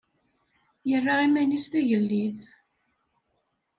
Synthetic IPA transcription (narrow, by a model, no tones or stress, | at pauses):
jərːaʁimænisθæʝəlːiθ